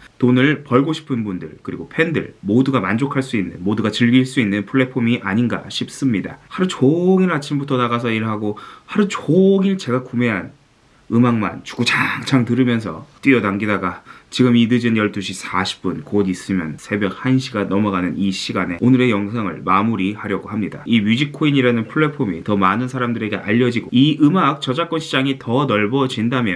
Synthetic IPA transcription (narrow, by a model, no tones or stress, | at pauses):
tonɯɭpʌɭɡoɕʰi̥pʰɯnbundɯɭkɯɾiɡopʰe̞ndɯ̰ɭmoduɡamand͡ʑokʰaɭs͈uinːɯ̰nmoduɡat͡ɕɯɭɡiɭs͈uinːɯnpʰuɭːe̞pʰomiʔaɲinɡa̰ɕʰip̚s͈ɯmɲida̰haɾut͡ɕoɡiɾɭat͡ɕʰimbutʰʌnaɣas̬ʰʌiɭɦaɡohaɾut͡ɕoɡiɭt͡ɕe̞ɡakume̞ɦan | ɯmaŋma̰nt͡ɕu̥ɡot͡ɕaŋt͡ɕaŋtɯɾɯmjʌns̬ʰʌ̰t͈wiʌdaŋɡidaɡat͡ɕiɡɯmidɯd͡ʑinjʌɭt͈uɕʰisʰaɕʰi̥p̚p͈unkodis͈ɯmjʌ̰nsʰe̞bjʌk̚hanɕʰiɡanʌmʌɡanɯniɕʰiɡane̞onɯɾe̞jʌŋsʰaŋɯ̰ɭmamuɾihaɾjʌɡoɦamɲida̰imjud͡ʑik̚kʰoiɲiɾanɯnpʰuɭːe̞pʰomitʌmanɯnsʰaɾamdɯɾe̞ɡe̞ʔa̰ʎːʌd͡ʑiɡoiʔɯmak̚t͡ɕ͈ʌd͡ʑak͈ʌnɕʰid͡ʑaŋitʌnʌɭbʌd͡ʑindamjʌn